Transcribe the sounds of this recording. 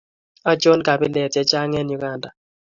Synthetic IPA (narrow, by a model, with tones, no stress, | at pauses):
a˦d͡ʒo˦nka˨bi˦lɛ˨tɛ˦t͡ʃa˦ŋɛ˦nju˦ɡa˨nda˨